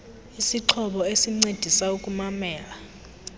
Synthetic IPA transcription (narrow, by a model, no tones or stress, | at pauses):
isiǁʰɔɓɔesiŋ͡ǀed̥ʱisaukʼumamɛːla